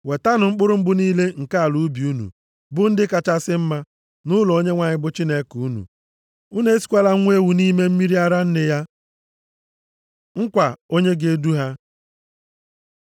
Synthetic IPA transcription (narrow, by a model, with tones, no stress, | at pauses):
we˨ta˦nʊ˨ŋ͡m̩˦k͡pʊ˦ɾʊ˦m̩˦ɡ͡bʊ˦niː˦le˦ŋ̩˨ka˦˨lu˨˦bi˨u˦nṵ˨ | bʊ˦n̩˦dɪ˦ka˨t͡ʃa˦sɪ˦m̩˦ma˦ | nʊ˦lo˦ɲe˦ŋʷa˨ɲɪ˦bʊ˦t͡ʃi˦ne˦ku˦nṵ˨ | u˦ne˦e˦si̥˨kʷa˦la˦ŋʷe˦wu˨ni˦me˦m̩˦mi˦ɾi˦a˦ɾa˦n̩˦nɪ˦ja˦ | ŋ̩˦kʷa˨o˦ɲe˦ɡe˦du˦ɦa˦